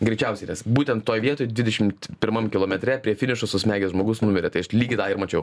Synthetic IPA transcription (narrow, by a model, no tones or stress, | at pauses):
ɡɾʲɛɪt͡ʃʲɛʊsʲɛɪnʲɛsbuːt̪ʲɛnt̪t̪oːjʋʲiɛt̪oːjd̪ʋʲɪd̪ʲɛʃʲɪmt̪pʲɪɾmɐmkʲɪlˠoːmʲɛt̪ʲɾʲɛpʲɾʲiɛfʲɪnʲɪʃosʊsʲmʲæːɡʲɛsʒmoːɡʊsnʊmʲɪɾʲɛt̪ɐɪɐʃlʲiːɡʲɪd̪ɑɪɾmɐt͡ʃʲɛʊ